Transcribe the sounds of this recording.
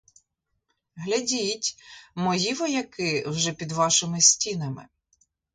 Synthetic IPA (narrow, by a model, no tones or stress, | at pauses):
ɦlʲɐdʲitʲmɔjiʋɔjɐkɪwʒɛpʲid̪ʋɑʃɪmɪsʲtʲinɐmɪ̰